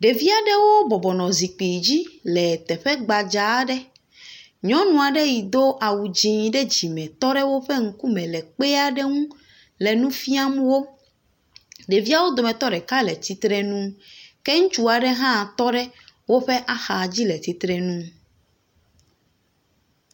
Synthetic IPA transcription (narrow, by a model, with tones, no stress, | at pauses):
ɖe˨vi˦a˨ɖɛ˦wo˦bɔ˨bɔ˨nɔ̃˨zi˨k͡pi˨d͡ʑi˦lɛ˨t̪ɛ˨ɸɛ˦ɡ͡ba˨d͡ʒa˨˦ɖɛ˦ | ɲɔ̃˦nũ˨a˨ɖe˦ji˨d̪o˦ʔa˨wu˨d͡ʑĩ˦ɖɛ˦d͡ʑi˨mɛ̃˨t̪ɔ˦ɖɛ˦wo˦ɸɛ˦ŋ̩˦ku˦mɛ̃˨lɛ˨k͡pɛ˦a˨ɖɛ˦ŋũ˦ | lɛ˨nũ˦fi˦a˦mũ˦wo˦ | ɖɛ˨vi˦a˦wo˦d̪o˨mɛ̃˨t̪ɔ˦ɖɛ˨ka˦lɛ˨t̪i˨t̪ɾɛ˦nũ˦kɛ˦ŋũ˦t͡ʃu˦a˨ɖɛ˦ɦã˦˨t̪ɔ˦ɖɛ˦wo˦ɸɛ˦ʔa˦xa˨d͡ʑi˦lɛ˨t̪i˨t̪ɾɛ˨nũ˦